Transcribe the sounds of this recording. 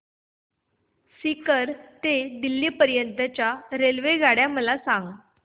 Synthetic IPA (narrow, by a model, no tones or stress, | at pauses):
sikəɾt̪ed̪ilːiːpəɾjənt̪ət͡ɕjaɾelʋeɡʱaɽjam̤əlasaŋɡ